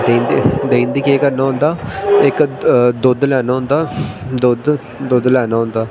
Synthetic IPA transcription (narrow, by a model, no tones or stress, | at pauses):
d̪end̪id̪eːnd̪iːkeːkəɾnaːɦʊ̃nd̪aːɪkd̪ʊd̪lɛːnaːɦʊ̃nd̪aːd̪ʊd̪ | d̪ʊd̪lɛːnaːɦʊ̃nd̪aː